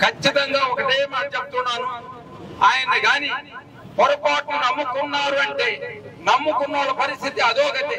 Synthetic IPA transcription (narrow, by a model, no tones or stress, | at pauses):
kɐt͡ʃːit̪ɐŋɡaːɔkɐʈeːmɐːnɐt͡ʃep̚t̪unaːnu | aːjɐnɐɡaːni | pɔɾɐpaːʈnunɐmːukunːaːɾuɐɳʈeːnɐmːukunːaːɾupɐɾist̪ʰit̪iɐd̪oːɡɐt̪ːe